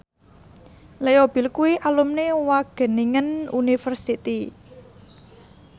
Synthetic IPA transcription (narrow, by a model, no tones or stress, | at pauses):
lejob̥i̤lkuiʔalumnewaɡ̥ə̤niŋənunifərsit̪i